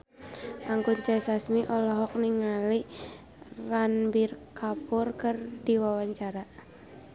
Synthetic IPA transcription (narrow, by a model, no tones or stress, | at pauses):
ʔaŋkunt͡ʃasasmiʔɔlɔɦɔk̚niŋali | ranbirkʰapʊrkərdiwawaɲt͡ʃaɾa